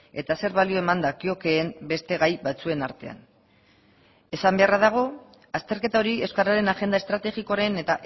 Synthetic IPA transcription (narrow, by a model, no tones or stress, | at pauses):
e̞t̪ase̞ɾβalio̞e̞mand̪akio̞ke̞ːmbe̞st̪e̞ɣajbat͡sue̞naɾt̪e̞a̰n | e̞sambe̞araðaɣ̞o̞ | ast̪e̞ɾke̞t̪ao̞ɾie̞wskaɾaɾe̞naʝe̞nd̪ae̞st̪ɾat̪e̞ɣiko̞aɾene̞t̪aʔ